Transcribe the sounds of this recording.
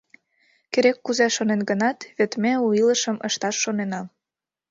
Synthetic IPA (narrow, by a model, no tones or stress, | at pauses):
keɾekːuzeʃonenɡənɑt̪βet̪mʲeuilə̆ʃə̆mə̰ʃt̪ɑʃːonenɑm